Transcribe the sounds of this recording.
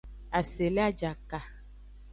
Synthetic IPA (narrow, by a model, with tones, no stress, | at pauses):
a˨se˨le˦a˦d͡ʒa˨ka˨